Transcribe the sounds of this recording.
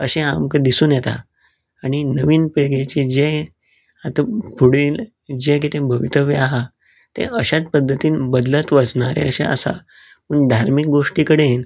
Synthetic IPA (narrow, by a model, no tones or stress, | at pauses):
əɕẽamkəd̪isuːnjɛt̪a̰ | aɽ̃inəʋiːnpiɭɡet͡ɕid͡ʑe | at̪əbuɽiːl | d͡ʑekit̪ẽbʱəʋit̪əʋeaɦa | t̪ḛ̃ʔəɕat͡spəd̪ʱːət̪iːnbəd̪lət̪ʋəd͡zɳaɾḛəɕẽə̰sa̰ | pəɳɖʱaɾmik̚ɡoʂʈiːkəɽen